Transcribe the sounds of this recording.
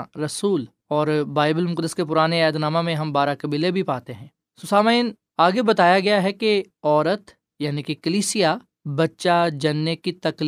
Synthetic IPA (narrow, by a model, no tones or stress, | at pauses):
ɾɐsuːl | ɔːɾbaːɪbəlmʊkəd̪ːəskep̬ʊɾaːneɛːd̪naːmamẽɦɐ̃mbaːɾakɐbiːlebʱipaːt̪eɦɛ̃ː | sʊsaːmaiːn | aːɡebɐt̪aːjaɡɐjaɦɛkeɔːɾət̪ | jaːnikekɐliːsija | bɐtːʃad͡ʒɐnːekit̪ɐkl